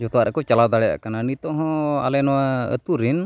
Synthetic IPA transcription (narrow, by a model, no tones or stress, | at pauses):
d͡ʒɔt̪ɔwaʔɾɛkɔt͡ʃalawd̪aɽɛja̰ʔkananit̪ɔ̃ɦɔ̃a̰lɛnɔwaə̰t̪uɾin